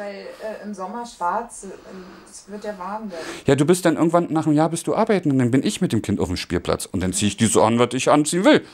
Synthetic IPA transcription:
vaɪlɛːʔɪmzɔmɐʃv̥aɐt͡sd̥asvɪəɐtjaːvaɐnjaːduːbɪstd̥anʔɪɐɡŋ̩tv̥anːaːχnəmjaːɐbɪst̚d̥uːʔaːɐbaɪtn̩ʊnd̥anbɪnʔɪçmɪt̚d̥eːmkʰɪnta̰ʊfm̩ʃpiːɐpʰl̥a̰t͡sʊntd̥ant͡siːəɪçd̥iːzo̰ʔanvasɪçʔant͡siːənvɪl

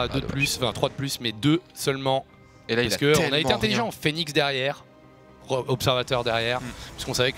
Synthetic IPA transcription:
d̪ød̪əplysfɛ̃t̪χwad̪əplysmɛd̪øsœlmɑ̃ | paʁskəɔ̃naet̪eɛ̃t̪eliʒɑ̃ːfeniksd̪ɛʁjɛːʁ | ʁəɔpsɛʁvat̪œʁd̪ɛʁjɛʁpɥiskɔ̃savɛk

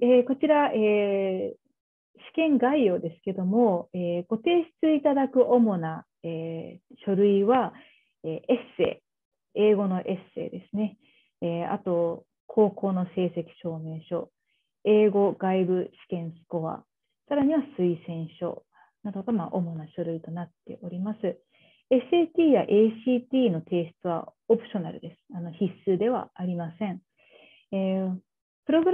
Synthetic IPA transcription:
eko̞t͡ɕiɾaʔeː | ɕi̥kẽ̞ŋɡaio̞ːd̪e̞sɨ̥ke̞d̪o̞mo̞eːɡ̥o̞t̪e̞ːɕi̥t͡sɨit̪ad̪akɯ̟ʔo̞mo̞na | eɕo̞ɾɯ̟iβa | eːʔese̞̰ː | eːɡo̞no̞ʔe̞se̞̰ːd̪e̞sɨne̞ | ea̰t̪o̞ | kʰo̞ːko̞ːno̞se̞ːse̞kʲi̥ɕo̞ːme̞ːɕo̞ | e̞ːɡo̞ɡaibɯ̟ɕi̥kẽ̞ɰ̃sɨ̥ko̞βa̰ | saɾaɲ̟iβasɨisẽ̞ɰ̃ɕo̞̰ | nad̪okamaʔo̞mo̞naɕoɾɯ̟it̪o̞nat̪ːe̞̰ʔo̞ɾʲimasɨ | esɨet̪ʲiːjaʔe̞ːɕiːt̪ʲiːno̞t̪e̞ːɕt͡sɨβa̰opɯ̟̥ɕo̞naɾɯ̟̰d̪e̞sɨ̥ano̞çisɨd̪e̞βa̰aɾʲimasẽ̞ɴ | eː | pɯ̟ɾo̞ɡɯ̟ɾ

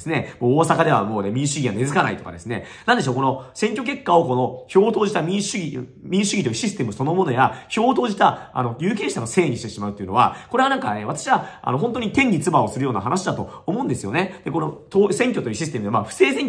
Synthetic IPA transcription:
sɨnemoːsakad̪e̞βa̰mo̞ːnemʲĩɰ̃ɕɨɡʲiβane̞zɨkana̰it̪o̞ka̰d̪e̞sɨne̞̰ | nand̪e̞ɕoːko̞no̞sẽ̞ŋkʲo̞k̬e̞kːao̞ko̞no̞ço̞ːt̪o̞ːʑit̪amʲĩɰɕɨɡʲi | mʲĩɰ̃ɕɨɡʲit̪ojɯ̟ɕisɨ̥t̪emɯ̟so̞no̞mo̞no̞jaço̞ːt̪o̞ːʑit̪aa̰no̞jɨːk̬ʲẽ̞ːɕi̥t̪anose̞ːɲ̟iɕi̥t̪e̞ɕimaɯt̪oiɯ̟no̞βa̰koɾe̞anãŋkaeβat̪ḁɕiβaa̰no̞ɦont̪̬o̞ɲ̟it̪ẽ̞ɲ̟ːʲit͡sɨbao̞sɨɾɯjo̞ːnaɦanaɕid̪at̪o̞omo̞ɯ̃nd̪esɨjo̞̰ne̞d̪̥e̞ko̞no̞t̪oːsẽ̞ŋkʲo̞t̪o̞jiɯ̟ɕ̬isɨ̥t̪e̞mɯemaɸɯ̟̥se̞ːsẽ̞ŋkʲ

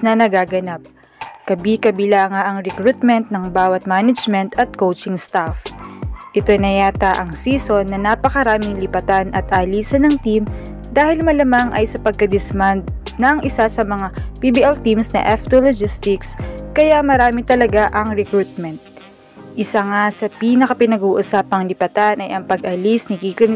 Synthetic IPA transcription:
snɐnɐɡaːɡɐnap̚ | kɐbikɐbɪlaːŋaʔɐŋɾɛkɾut̪mɛnt̪̚nɐŋbaːwɐt̪̚maːnɐd͡ʒmɛnt̪ɐt̪̚kowt͡ʃɪŋst̪afʔɪt̪o̞jnɐjaːt̪ɐʔɐŋsiːso̞nːɐnaːpɐkɐɾaːmɪŋlɪpɐt̪anɐt̪ʔaːliːsɐnɐŋt̪im | d̪aːhɪlmɐlamaŋʔɐjsɐpɐɡ̚kɐd̪ɪsmand̪̚nɐŋɪsasɐmɐŋapibiʔɛlt̪imsnɐ̰ʔɛft̪olod͡ʒɪst̪ɪkskɐjamɐɾaːmɪt̪ɐlɐɡaʔɐŋɾɛkɾut̪̚mɛnt̪̚ | ʔɪsaŋasɐpiːnɐkɐpɪnɐɡuːʔʊsaːpɐŋlɪpɐt̪anʔɐjʔɐŋpɐɡʔɐlisnɪkiːkon

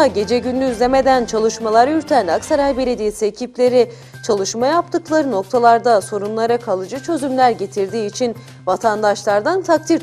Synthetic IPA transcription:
aɟe̞d͡ʒeɟynlːʲyːzlʲeme̞d̪ænt͡ʃʰalˠɯʃmalˠaɾyɾt̪ʰænaksaɾajbe̞lʲe̞d̪ijesiecʰiplʲe̞ɾi | t͡ʃʰalˠɯʃmajap̚t̪ʰɯklˠaɾɯno̞k̚t̪ʰalˠaɾd̪aso̞ɾunlˠaɾakʰalˠɯd͡ʒɯt͡ʃʰø̞zymlʲæɾɟe̞t̪ʰiɾd̪iːt͡ʃʰin | vat̪ʰand̪aʃlˠaɾd̪ant̪ʰak̚t̪ʰiɾ

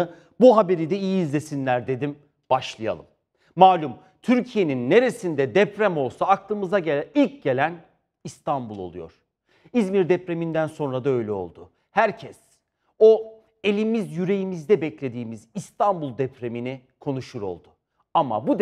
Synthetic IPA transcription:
ɯ | buɦabe̞ɾid̪ɛijiːzlʲe̞sinlʲæɾd̪e̞d̪im | b̥aʃlˠɯja̰lˠɯ̰mː | aːlʲum | t̪ʰyɾcʰije̞ninːe̞ɾe̞sind̪ɛd̪ɛpɾæmo̞lˠsaːk̚lˠɯmɯzaɟeilʲcɟe̞lʲæn | ist̪ʰanbulˠo̞̰lˠujo̞̰ɾ̥ | izmiɾd̪ɛpɾe̞mind̪ænso̞nɾad̪aø̞jlʲɛo̞̰lˠd̪ʊ | hæɾcʰɛs | o̞ | e̞lʲimizjyɾe̞jimizd̪ɛbɛclʲe̞d̪iːmizist̪ʰambulˠd̪ɛpʰɾemini | kʰo̞nuʃuɾo̞̰lˠd̪̥ʊ | ama̰bud̪

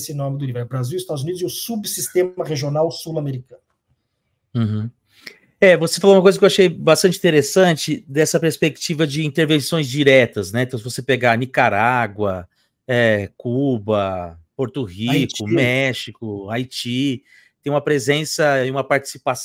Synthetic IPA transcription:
sɪnõmɪd̪ʊliveɾɛbɾaziwist̪ad̪ʊzunid̪ʊzɛʊsubsist̪ẽmɐʁeʒionawsulameɾikɐ̃nʊ̃ | h | ɛvosefaloũmɐk̬ojzɐkewaʃejbast̪ɐ̃t͡ʃɪĩt̪eɾesɐ̃nt͡ʃɪd̪ɛsɐpeɾspek̚t͡ʃivɐd͡ʒɪĩnt̪eɾvẽsõj̃zd͡ʒiɾɛt̪ɐznɛ̃t̪ɐ̃w̃sɪvosepeɡaɾnikaɾaɡwɐ | ɛkubɐpoɾt̪ʊɦikʊmɛʃikʊajt͡ʃi | t̪ẽj̃ũmɐpɾezẽsɐẽũmɐpaɾt͡ʃi̥sipas

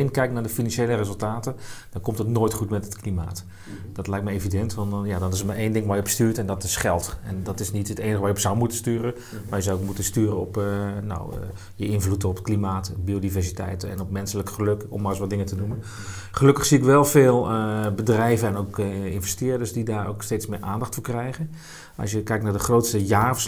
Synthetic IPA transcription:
enkɛjk̚naːɹdəfinɑnʃejlərezɵlˠtaːtəd̥ɔnkɔmtətnoːjtχutmɛtətklima̰ːt | dɔtlɛjk̚mɛevidɛntʋɑnnjadɔnɪsətmaɹejndɪŋʋaːjəbəstyːtɛndɔtɪsχɛlˠtɛndɔtɪsnitɦəteːnəχəʋajəpsawmutənstyːɾə | ʋaːɹjəzawkmutəstyːrənɔpna̰w̰ | jəɪnvlutəɔpətklimaːtbiodivɛɹsitɛ̰jtɛ̰nɔpmɛnsələkχəløkɔ̰mːaːrɪsʋɔt̚dɪŋətənumən | χəløkəχsiɪkʋɛlˠfɪːlˠəbədrɛjvəɛnokɪnvɛstɪːɹdəɹsdidaːro̰wksteːtsmɪːrʔaːndɑχtfʊːkrɛjɣən | ʔɑ̰sjəkɛjk̚tnaːɹdəχroːtstəjaːfs

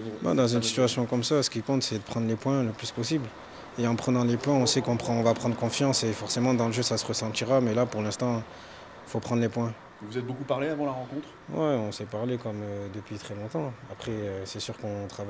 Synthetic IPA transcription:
ba̰d̪ɑ̃zynsi̥t̪yasjɔ̃kɔmsasə̥kʲikɔ̃t̪sɛd̪əpχɑ̃d̪ʁlepwɛ̃ləplyspɔsibl | eɑ̃pχənɑ̃lepwɛ̃ɔ̃sɛkɔ̃pχɔ̃vapχɑ̃d̪ʁəkɔ̃fjɑ̃sefɔʁsemɑ̃d̪ɑ̃ləʒøsasəʁəsɑ̃t̪iʁamɛlapuʁlɛ̃st̪ɑ̃ | ifopχɑ̃d̪ʁlepwɛ̃ | vuzɛt̪̚bokupaʁleavɑ̃laʁɑ̃kɔ̃t̪χ | wɛɔ̃sɛpaʁlekɔmød̪əpɥit̪χɛlɔ̃t̪ɑ̃apχɛøsɛsyʁkɔ̃t̪χava

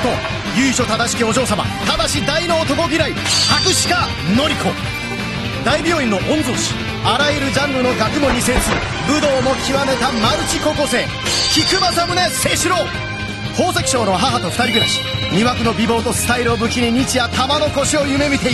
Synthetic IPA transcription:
t̪o | jɯ̟ːiɕo̞t̪ad̪aɕi̥kʲio̞ʑo̞ːsama̰t̪ad̪aɕid̪aino̞ːt̪o̞ko̞ɡʲiɾaihakɯ̟ɕi̥ka | no̞ɾʲiko̞ | d̪aibʲjoːĩnːo̞ʔõ̞nzoːɕi̥ | aɾajɯɾɯ̟d͡ʑãŋɡɯ̟no̞ɡakɯ̟mo̞ɲ̟isẽ̞ɰ̃sɨɾɯ | bɯ̟d̪o̞ːmo̞kʲiβame̞t̪amaɯ̟t͡ɕiko̞ko̞se̞ː | kʲikɯ̟masamɯ̟ne̞se̞ːɕɨɾo̞ː | kʰoːsekʲi̥ɕo̞ːnoɦaɦat̪o̞ɸɯ̟̥t̪aɾʲiɡɯ̟ɾaɕi̥ | ɲʲiβakɯ̟no̞bʲibo̞ːt̪o̞sɨ̥t̪aiɾɯobɯ̟kʲiɲ̟iɲ̟it͡ɕijat̪amano̞ko̞ɕio̞jɯ̟me̞mʲit̪e̞

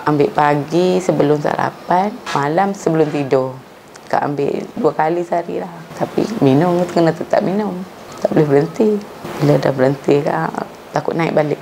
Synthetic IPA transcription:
ambɪʔpaɡisəbəlʊmsa̰a̰ɾa̰panmalamsəbəlʊmt̪idʊh | ka̰ʔa̰mbɪ̰ʔduakalisaɾḭlaht̪apḭminʊmt̪əkənat̪ət̪a̰p̚minʊm | t̪aʔbolɪhbəɾənt̪i | b̥ilada̰hbəɾənt̪ika̰ | t̪akʊʔ̪naɪ̰ʔbalɪʔ

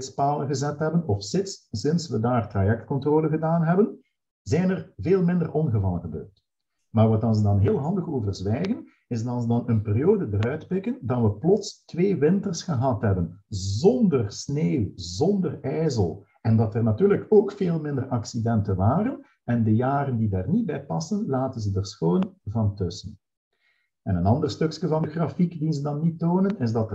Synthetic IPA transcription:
tspaːlənɣəzɛtɦɛbənɔfsɪtssɪnsʋədaːrtrajɛk̚t̚kɔntroːləɣədaːnɦɛbən | zɛjnərveːlˠmɪndərʔɔnɣəvɑ̰lˠəɣəbø̰ːrt | maːrʋɑtɑnzədɑnɦeːlˠɦɑndəɣoːvərzʋɛjɣən | ɪzdɑɑlzədɑnənperijoːdədəɾœɥtpɪkəndɑnʋəplɔtstʋeːʋɪntərsxəɦɑtɦɛbənzɔndərsneːwzɔndərɛːzəlˠ | ɛndɑtərnatyːrləkoːkfeːlˠmɪndərɑksidɛntənʋaːɾən | ɛndəjaːɾəndidaːrnit̚bɛjpɑsənlaːtənzədərsxoːnvɑntɵsən | ɛnənɑndərstɵkskəvɑndəɣrafikdinzədɑnːitoːnənɪzdɑtə

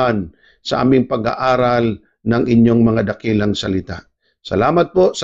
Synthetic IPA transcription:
an | sɐʔa̰ːmɪŋpɐɡa̰ʔaːɾal | nɐŋɪɲjo̞ŋmɐŋad̪ɐkilɐŋsɐlɪt̪a̰ | sɐ̰laːmɐt̪̚po̞s

